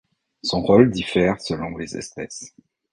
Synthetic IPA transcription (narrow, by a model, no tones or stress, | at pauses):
sɔ̃ʁɔld̪ifɛʁsəlɔ̃lezɛ̰spɛs